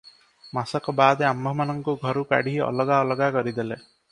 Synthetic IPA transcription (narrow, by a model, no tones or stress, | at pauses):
masɔkɔbaːd̪eambʱɔmanɔŋkuɡʱɔɾuka̰ɽiɦiɔ̰lɔɡaɔlɔɡakɔɾid̪ele